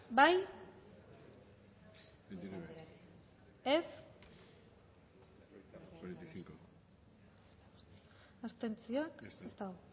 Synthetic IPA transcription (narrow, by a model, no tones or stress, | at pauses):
baj | ed̪ie | es | oɾent̪jsiŋko | ast̪e̞nt͡sioaksest̪aɣo